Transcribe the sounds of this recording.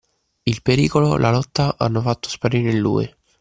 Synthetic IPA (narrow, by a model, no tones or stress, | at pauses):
ilpeɾiːkolo̰lʔalɔt̪ːaʔa̰nːofat̪ːo̥spaɾiːɾeilːṵːḭ